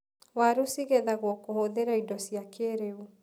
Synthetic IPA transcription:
waɾusiɣɛðaɣwɔkohoðeɾaidɔsiakeɾeu

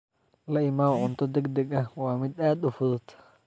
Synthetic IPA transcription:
lɐɪmaːʕʊnt̪ʰɔd̪ɛɡd̪ɛɡɐwɑːmɪd̪aːd̪ʊfʊðɐt̪ʰ

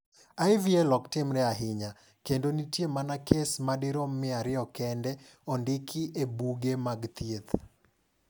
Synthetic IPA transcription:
aɪvielɔktɪmɾɛaɦɪɲa | kendonitjemanakʰesmadɪɾomːɪaɾɪɔkɛndɛɔndɪkʰiebuɡemaɡt̪jet̪

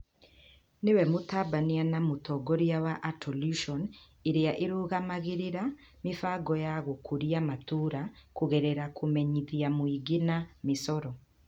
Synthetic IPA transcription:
newɛmotaːbaneanamotɔɡɔɾeawaʔatʰɔluʃɔn | eɾeaʔeɾoːɣamaɣeɾeɾamefaɡɔjaɣokʰoɾiamatoɾakoɣɛɾɛɾakʰomɛɲiðiamoiɡenamesɔɾɔ

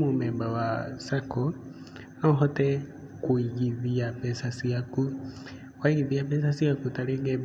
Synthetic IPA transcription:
mumɛmbawasakɔ | nɔɦɔtɛ | kuiɣiðiapɛsasiaku | waiɣiðiapɛs̬asiakutalɛɡɛ

